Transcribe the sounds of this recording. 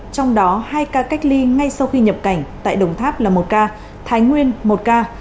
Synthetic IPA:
t͡ɕɔ˧wŋ͡mɗɔ˨˦haː˧jkaː˧ka˦˥jk̟̚li˧ŋa˧jsa˧wxi˧ɲə˨˩p̚ka˧˩jŋ̟t̪a̰ː˧˨jɗə˨˩wŋ͡mt̪ʰaː˦˥p̚laː˨˩mo˨˩t̚kaː˧ | t̪ʰaː˨˦jŋwi˧ənmo˨˩t̚kaː˧

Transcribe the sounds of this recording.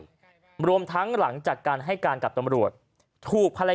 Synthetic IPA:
ɾu˧əmt̪ʰa˦˥ŋla˩˦ŋt͡ɕaː˨˩kːaː˧nɦa˥˩jkaː˧nka˨˩p̚t̪a˧mɾu˨˩ət̪̚ʰ | uː˨˩k̚pʰa˧la˧

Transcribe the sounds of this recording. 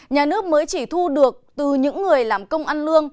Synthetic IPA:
ɲaː˨˩nɨ˦˥ək̚məː˨˦jt͡ɕi˧˩t̪ʰu˧ɗɨ˨˩ək̚t̪ɨ˨˩ɲɨ̰˧˥ŋːɨ˨˩əjlaː˨˩mkə˧wŋ͡mʔa˧nlɨ˧əŋ

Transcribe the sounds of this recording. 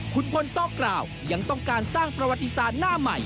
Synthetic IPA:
kʰu˧npʰo˧nsɔː˥˩kɾaː˨˩w | ja˧ŋt̪ɔ˥˩ŋkaː˧nsaː˥˩ŋpɾa˧wa˨˧t̪ːi˧saː˨˩t̪̚naː˥˩ma˨˩j

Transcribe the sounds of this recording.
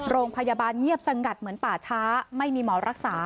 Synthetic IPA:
ɾoː˧ŋpʰa˧ja˧baː˧nŋi˥˩əp̚sa˧ŋka˨˩t̪̚mɯ˩˦ənpaː˨˩t͡ɕʰaː˦˥ma˥˩jmiː˧mɔː˩˦ɾa˦˥k̚saː˩˦

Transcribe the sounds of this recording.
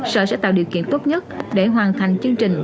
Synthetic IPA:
sə̰˧˩sɛ̰˧˥t̪aː˧˨ɗi˨˩əwkḭ˧˨nt̪o˦˥t̚ɲə˦˥t̚ɗe˧˩ɦwaː˨˩nt̪ʰa˨˩jŋ̟t͡ɕɨ˧əŋt͡ɕï˨˩ŋ̟

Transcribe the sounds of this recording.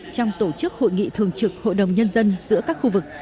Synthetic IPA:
t͡ɕɔ˧wŋ͡mt̪o˧˩t͡ɕɨ˦˥k̚ho̰˧˨jŋḭ˧˨t̪ʰɨ˨˩əŋt͡ɕɨ˨˩k̚ho̰˧˨jɗə˨˩wŋ͡mɲə˧nzə˧nzɨ̰˧˥əkaː˦˥k̚xu˧vɨ˨˩k̚

